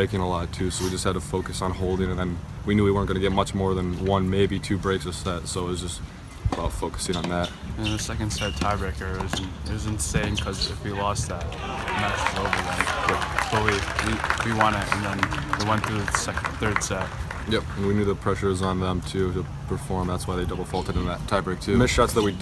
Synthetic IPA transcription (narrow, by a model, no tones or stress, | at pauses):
bɹeɪkɪ̃ŋəlɔtʰʉsoʊwid͡ʒʌst̚hɨd̚təfoʊkɨsn̩hoʊlˠdɪ̃ŋɨ̃nɨ̃nwinʉwiwɜ˞nɡʌñɨɡɛt̚mʌt͡ʃmɔɹðə̃nwʌ̃nmeɪbitʰʉbɹeɪksʌsɛtsoʊəsdd͡ʒʌst | əbaʊtfoʊkɨ̥sɪ̃ŋə̃nðæt̚ɨ̃nðɨsɛkɨ̃nd̥sɛt̚tʰaɪɹɛkə˞ʌznɨt̚wʌzɨ̃nsẽɪ̃mkʰʌzɪfwilɔs̚ðæt̚ | nætsʰɹ̥oʊbl̩ðæ̃jɛp̚w̥ʌwiwiwiwɑ̃ñɪtɨ̰̃nðə̃nwewɛ̃nθɹʉðɨsɛkθɜ˞d̥sɛt̚ | jɛp̚ɨ̃nwinjʉðəpʰɹ̥ɛʃə˞zn̩ðə̃mtʰʉɾə | pʰə˞fɔɹmðætswaɪðeɪdʌbl̩ˠfɔlˠtɨɾɨ̃nðətʰaɪbɹeɪk̚tʰʉmɪʃɑtsðət̚wi